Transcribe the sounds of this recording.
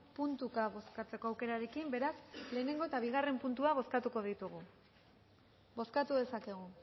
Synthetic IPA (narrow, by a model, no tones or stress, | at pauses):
punt̪ukaβo̞skat͡se̞ko̞awke̞ɾaɾe̞kimbe̞ɾasle̞ːne̞ŋɡoet̪aβ̞iɣ̞are̞mpunt̪uaβ̞o̞skat̪uko̞ðit̪uɣ̞u | bo̞skat̪uðe̞sake̞ɣ̞u